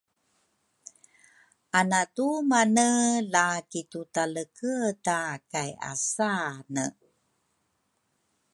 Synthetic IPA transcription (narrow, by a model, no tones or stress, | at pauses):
ʔanatumanəlakitutaləkətakaja̰sanə